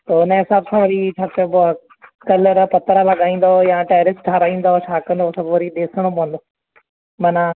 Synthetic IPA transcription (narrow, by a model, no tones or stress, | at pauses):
t̪oːɪnəɦɪsaːbsãːʋɐɾit͡ʃʰaːp̪eboa | kɐləɾpɐt̪əɾalɐɠaːĩːn̆d̪ojãʈaːjɾɪsʈʰaːɾaːĩːnd̪aot͡ʃʰaːkə̃n̆d̪osɐbʱʋɐɾiɗeːsəɽ̃õpɐə̃nd̪oː | mɐnã